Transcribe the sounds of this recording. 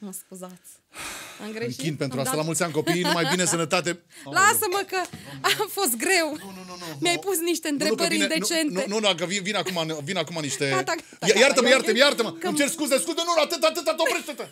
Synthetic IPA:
məskuzat̪sʲ | ɨmɡɾeŋkind̪pe̞nt̪ɾuast̪alamult̪sʲanʲko̞pijnumajbinesənət̪at̪e̞lasəməkəamfo̞s̬t̪̚ɡɾe̞wnnunmjajpusniʃt̪e̞ɨnt̪ɾebəɾined̪ent͡ʃentnuenunakəvinvinakumanvinakumaniʃt̪et̪a | jajaɾt̪əməjaɾt̪əmjaɾt̪əmənt͡ʃeɾskuzeskuzenunat̪ɨt̪at̪ɨt̪at̪opɾeʃt̪et̪ə

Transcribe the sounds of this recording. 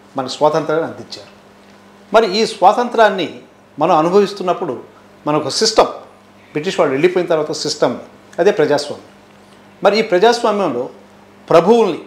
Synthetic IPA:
mɐnɐsʋaːt̪ɐnt̪ɾaːnːiɐnd̪iɲt͡ʃːa̰ːɾu | mɐɾiiːsʋaːt̪ɐnt̪ɾaːnːi | mɐnɐmɐnubʱɐʋist̪unːɐpːuɽu | mɐnɐokɐsisʈɐm | bɾiʈ̬iːʂʋaːɭːue̞ɭːipojinɐt̪̬ɐɾʋaːt̪ɐsisʈɐmḭ | ɐd̪e̞ːpɾɐd͡ʒaːsʋa̰ːmjɐm | mɐɾiiːpɾɐd͡ʒaːsʋaːmjɐmlo̞ː | pɾɐbʱuwunːi

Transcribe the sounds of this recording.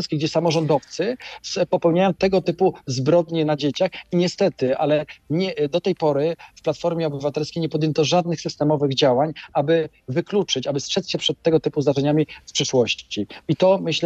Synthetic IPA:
skʲiɡd͡ʑɛsamɔʐɔnd̪ɔft̪sɘspɔpɛwɲajɔ̃w̃t̪ɛɡɔt̪ɘpuzbɾɔd̪ɲɛnad͡ʑet͡ɕaxiɲɛst̪ɛt̪ɘa̰lɛɲɛd̪ɔt̪ɛjpɔɾɘfplat̪fɔɾmʲjɛɔbɘvat̪ɛlskʲejɲɛpɔd̪jɛnt̪ɔʐad̪nɘxsɘst̪ɛmɔvɘɣd͡ʑawaɲabɘ | vɘklut͡ʂɘt͡ɕabɘstʂɛt̪sɕɛpʂɛt̪ːɛɡɔt̪ɘpuzaʐɛɲamʲifpʂɘʂwɔɕt͡ɕiit̪ɔmɘɕl

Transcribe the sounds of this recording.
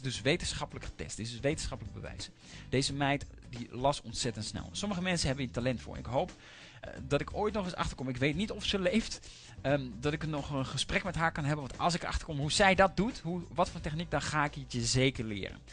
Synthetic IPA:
dɵsʋejtənsχɑpləkχə̥tɛ̰stɪsdɵsʋejtən̩sχɑpələɡ̚bə̰ʋɛ̰js | d̥ejzəmɛjt | dilɑsɔntsɛtəntsnɛ̰lˠsɔməχəmɛnsənɦɛbənəntalɛntfʊ̰ːɹ̰nɪ̰kɦowp | dɑtɪkoːjtnɔχɪsɑ̰χtəɹkɔmɪkʋejtnitɔfsəlejft | dɑtɪkənɔχənχəsprɛkmɛtɦaːɹkɑnɦɛbənʋɑntɑ̰lˠs̬ɪkəɹʔɑ̰χtəɹkɔmɦuzɛjdɑt̚dutɦuʋɑtfʊːntɛχnik̚dɑnχaːɪkətjəzejkəɹlɪ̰ːrə̰n

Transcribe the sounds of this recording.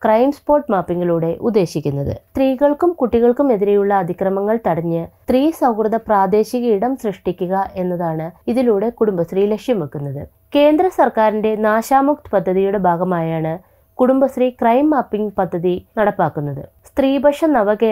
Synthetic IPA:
krɐjmspo̞ːrʈmaːpːiŋɡiɭuːɽe̞ʔud̪ːe̞ːɕikʲːunːɐðɨ̰st̪riːɣɐɭkumkuʈːiɣɐɭkume̞ðiɾe̞juɭːɐːd̪ʱikrɐmɐŋːɐɭt̪ɐɽɐɲːɨt̪riːsɐwkrɨðɐpraːd̪e̞ːɕiɣɐiɽɐmsrɨʂʈikʲːuɣɐʔe̞nːɐðaːɳɨiðiluːɽe̞kuɽumbɐst̪riːle̞kʂjɐmʋekːunːɐðɨ̰ | ke̞ːnd̪ɾɐsɐrkaːɾinde̞naːɕaːmuk̚t̪ɨ̥pɐd̪ʱːɐðijuɽe̞bʱaːɡɐmaːjaːɳɨ | kuɽumbɐst̪rikrɐjmːaːpːiŋɡpɐd̪ʱːɐðinɐɽɐpːaːkːunːɐðɨ̰ | st̪riːbʱɐʂɐnɐʋɐɣe

